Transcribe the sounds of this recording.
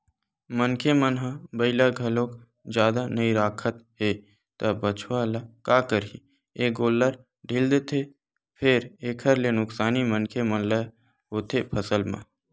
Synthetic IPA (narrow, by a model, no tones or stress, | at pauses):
mənkʰemənɦãbəɪlaɡʱɐlõːk | d͡ʒjaːd̪anəiɾaːkʰət̪ɦe | t̪ɐbət͡ʃʰʋalakaːkəɾi | eːɡoːlːəɾ | ɖʱild̪et̪ʰe | pʰɪɾeːkʰəɾlenʊksaːnimənkʰemənlə | ɦoːt̪ʰepʰəsəlmã̰